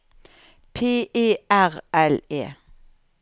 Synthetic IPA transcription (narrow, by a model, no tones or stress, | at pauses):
pʰeːʔeːæʁʔɛlḛː